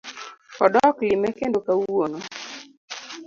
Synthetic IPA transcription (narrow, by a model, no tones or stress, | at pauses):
ɔdɔklimɛkendokawono